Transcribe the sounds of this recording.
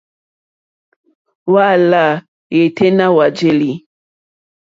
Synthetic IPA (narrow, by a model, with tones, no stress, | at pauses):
wa˦˨la˦˨ | je˨tʰe˦na˦wa˨d͡ʒe˦li˨